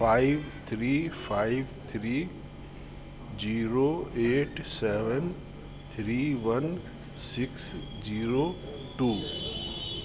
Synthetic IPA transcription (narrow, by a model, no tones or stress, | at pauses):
faɪʋt̪ʰɾiːfʰaːɪʋt̪ʰɾiː | d͡ʒiːɾoːeːʈsɛːʋən | t̪ʰɾiːʋɐn | sɪks | d͡ʒiːɾoː | ʈuː